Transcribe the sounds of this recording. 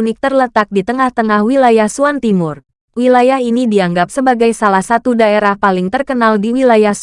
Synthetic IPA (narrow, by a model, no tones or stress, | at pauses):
unɪk̚t̪ərlət̪ak̚dit̪əŋaht̪əŋahwilajahsuant̪imʊr | wilajaɦinidiaŋɡap̚səbaɡajsalahsat̪udaeɾahpalɪŋt̪ərkənaldiwilajahs